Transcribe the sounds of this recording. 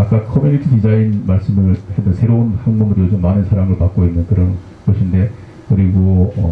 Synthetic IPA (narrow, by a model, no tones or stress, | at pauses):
ak͈akʰʌmjunitʰidid͡ʑainmaɭs͈ɯmɯɭhedʌsʰeɾounhaŋmɯmɯɾiod͡ʑomːanɯnsʰaɾaŋɯɭpak͈̚oinːɯnkɯɾʌn | ɡ̥ʌɕʰinde̞ | kɯɾiɡoʌ